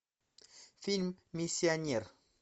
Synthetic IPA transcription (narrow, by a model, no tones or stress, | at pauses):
filmːisjaniɾ